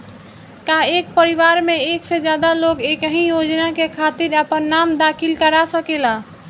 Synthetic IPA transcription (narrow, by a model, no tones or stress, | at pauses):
kaekpəɾiʋaɾmeeksed͡ʒjad̪alokekəɦĩjod͡ʒnakekʰat̪iɾəpənːamd̪akʰilkəɾasəkela